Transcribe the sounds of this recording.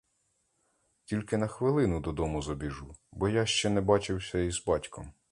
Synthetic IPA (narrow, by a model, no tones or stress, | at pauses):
tʲilʲkɪn̪ɐxʋɪlˠɪnʊd̪ɔd̪ɔmʊzɔbʲiʒubɔjaʃt͡ʃɛnɛbɑt͡ʃɪwsʲɐizbɑtʲkɔm